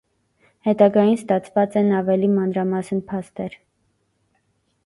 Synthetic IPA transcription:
hɛt̪ɑɡɑjinst̪ɑt͡sʰvɑt͡sɛnɑvɛlimɑnɾɑmɑsnpʰɑst̪ɛɾ

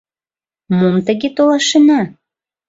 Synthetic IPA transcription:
momt̪əɣet̪olɑʃənɑ

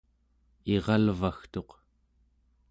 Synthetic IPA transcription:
eʁɑlvaxt̪o̞q

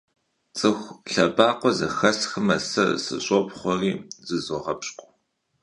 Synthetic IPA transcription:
t͡sʼɨxʷɬɐbaːqʷɔzɐ̰xɐsxɨmɐsɐ̰sɨ̰ɕʼɔpχʷɔriːzɨzɔʁɐpɕʼqʷʼɔ

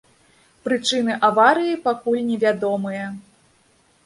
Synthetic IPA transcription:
pɾɨt͡ʂɨnɨʔavaɾɨjipakulʲnʲɛvʲad̪ɔmɨjɐ

